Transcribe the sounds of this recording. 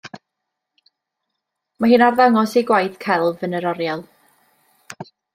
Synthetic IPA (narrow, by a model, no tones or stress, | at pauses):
maɦɨːnarðaŋɔsiɡwajθkʰɛlˠvənəɾɔɾjalˠ